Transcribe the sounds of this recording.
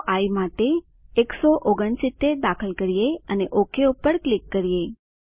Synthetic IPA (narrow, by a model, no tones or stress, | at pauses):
ʔaimaʈeː | ksoʔoɡəɳsit̪ːed̪akʰəlkəɾijeəneʔokʰeupːəɾklikːəɾije